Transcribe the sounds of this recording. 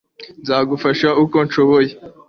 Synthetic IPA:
nzaːɡufaʃauko̞nʃoβoje

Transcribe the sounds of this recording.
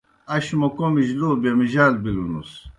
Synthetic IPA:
ɐɕmɐkomiʑlobjamiʑaːlbilunus

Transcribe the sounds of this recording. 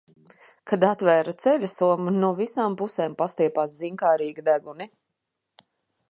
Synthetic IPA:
kʰad̪at̪væːɾat̪sɛlʲusuɔmunuɔvisaːmpuseːmpast̪iɛpaːsziŋkaːɾiːɡid̪æɡuni

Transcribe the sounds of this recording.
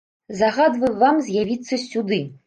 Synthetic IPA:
zaɣad̪vɐjvamzʲjavʲit̪sːɐsʲud̪ɨ

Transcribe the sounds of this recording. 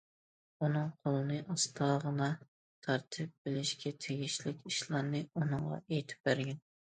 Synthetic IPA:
unɨŋqʰolˠɨnɨʔɑst̪ʰɑːʁənɑ | t̪ʰɑɾt̪ʰɨp̚bɪlɪʃkʲɛt̪ʰeɡʲiʃlɪkʲiʃlˠɑɾnɨunɨŋʁɑ̰ejt̪ʰɪ̥p̚bæɾɡʲɛn

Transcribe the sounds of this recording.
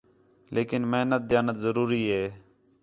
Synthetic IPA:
lʔeːkɪnmeɦnət̪̚d̪jaːnət̪zəɾuːɾiːɦeː

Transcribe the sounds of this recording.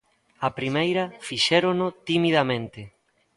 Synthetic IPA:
ɐpɾimejɾɐfiʃɛɾonʊt̪imiðɐmẽnt̪ɪ

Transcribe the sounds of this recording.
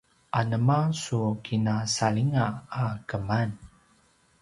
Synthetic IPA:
ʔanəmasukʰinasaliŋaːkəman

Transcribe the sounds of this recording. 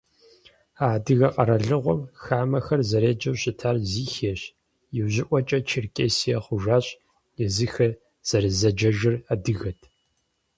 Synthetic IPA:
aːdɨɣɐqʼɐɾɐɮɨʁʷɔmxaːmɐxɐrzɐɾeːd͡ʒɐwɕɪtʰaːrziːxeːɕ | jɪwʑɪʔʷɔt͡ʃʼɐt͡ʃʰɪrkʲʼeːsijɐχʷʊʒaːɕʼ | jɛzɨxɐ | z̥ɐɾɨzɐd͡ʒɐʒɨradɨɣɐtʰ

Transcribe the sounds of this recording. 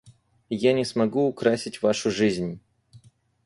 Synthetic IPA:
janʲɪsmɐɡuːkɾasʲɪtʲvaʂʊʐɨzʲnʲ

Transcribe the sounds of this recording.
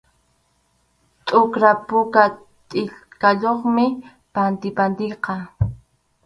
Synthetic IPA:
t̪ʼʊkɾapʊka | t̪ʼɪʎkaʎoχmɪ | pant̪ɪpand̪ɪjqɑ

